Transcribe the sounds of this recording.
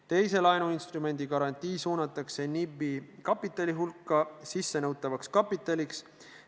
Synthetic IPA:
t̪e̞jse̞lɑjnuinst̪rume̞nʲd̪̥ikɑɾɑnʲt̪ˑiːsuːnɑt̪ˑːɑkse̞nibikɑpːˑit̪ːˑɑlʲiɦulkˑːɑsisːe̞nɤwt̪ːˑɑvɑkskɑpːˑit̪ːˑɑlʲiks

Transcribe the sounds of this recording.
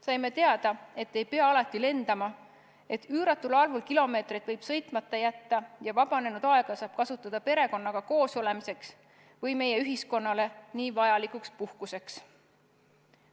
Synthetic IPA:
sɑjme̞t̪e̞ɑd̪̥ɑe̞t̪ːˑe̞jpe̞ɑɑlɑt̪ːˑile̞nd̪̥ɑmɑ | e̞t̪ːˑyːɾɑt̪ːˑulɑlvulkilo̞me̞ːt̪rid̪vɤjb̥sɤ̞jt̪ˑmɑt̪ːˑɑjæt̪ːɑjɑvɑb̥ɑne̞nud̪̥ɑe̞ɡ̥ɑsɑːb̥̚kɑsut̪ˑːɑd̪̥ɑpe̞ɾe̞ko̞nːɑɡ̥ɑko̞ːsole̞mise̞ks | vɤjme̞je̞yɦisko̞nːɑle̞niːvɑjɑlikukspuhkuse̞ks

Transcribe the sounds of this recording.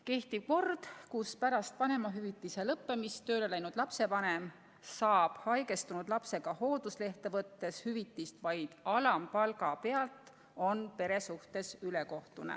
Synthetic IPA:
ke̞ht̪iv̥ko̞rd̪̥kuspæɾɑst̪̚pɑne̞mɑɦyvit̪ːˑise̞lɤpːe̞mist̪ø̞ːlelæjnud̪̥lɑpse̞vɑne̞m | sɑːb̥hɑjɡe̞st̪unud̪̥lɑpse̞ɡ̥ɑho̞ːd̪̥usle̞ht̪evɤt̪ːe̞shyvit̪ːˑist̪vɑjd̪̥ɑlɑmpɑlɡɑpe̞ɑlt̪ | o̞npe̞ɾe̞suht̪e̞syle̞ko̞ht̪unḛ

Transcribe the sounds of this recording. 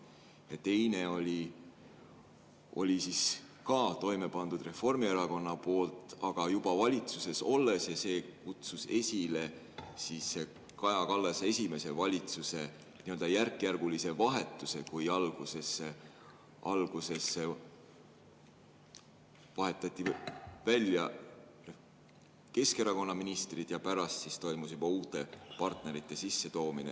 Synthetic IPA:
jɑt̪e̞jne̞o̞lʲi | o̞lʲisis | kɑːt̪o̞jme̞pɑnd̪̥ud̪re̞fo̞rmie̞ɾɑko̞nːɑpo̞ːlt̪ˑɑɡ̥ɑjub̥ɑvɑlʲit̪suse̞so̞lːe̞sjɑse̞ːkut̪suse̞sʲile̞ | sisːe | kɑjɑkɑlːɑse̞sʲime̞se̞vɑlʲit̪suse̞ | niø̞ld̪̥ɑjærkːˑjærɡ̥ulise̞vɑɦe̞t̪ːˑuse̞kujɑlɡ̥use̞sːe | ɑlɡ̥use̞sːe | vɑɦe̞t̪ːˑɑt̪ʲˑːivælʲjɑ | ke̞ske̞ɾɑko̞nːɑminist̪rid̪̥jɑpæɾɑst̪sist̪o̞jmusjub̥ɑuːt̪ːˑe̞pɑrt̪ne̞ɾit̪ˑːe̞sisːe̞t̪o̞ːminḛ

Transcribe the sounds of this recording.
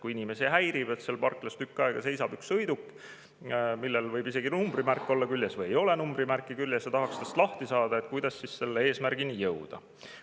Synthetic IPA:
kuinime̞siɦæjɾib̥e̞t̪selpɑrkˑlɑst̪ykːˑɑeɡ̥ɑse̞jsɑb̥yksɤjd̪ukːˑ | milːelvɤjbise̞ɡinumb̥rimærkːˑo̞lːɑkylʲjesvɤjejo̞le̞numbrimærkˑːikylʲjesjɑt̪ɑɦɑkst̪est̪lɑht̪isɑːd̪̥ɑet̪̚kujd̪̥ɑsːisse̞lːee̞ːsmærɡ̥inijɤwd̪̥ɑ̰

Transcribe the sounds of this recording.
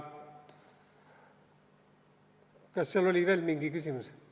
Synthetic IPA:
kɑssieloliˑʋiælmiŋɡ̥iːkysymys

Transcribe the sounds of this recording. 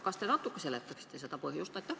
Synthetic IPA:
kɑst̪enɑt̪ːˑukːɑselet̪ːæksi̥t̪ːeset̪ɑpohjust̪ɑet̪ːæ

